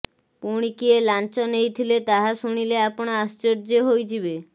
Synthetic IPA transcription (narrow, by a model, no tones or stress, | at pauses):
puɽ̃ikielant͡ɕɔnejt̪ʰilet̪aɦaʃuɽ̃ileapɔɽ̃aast͡ɕoɾd͡ʑeɦojd͡ʒʰibe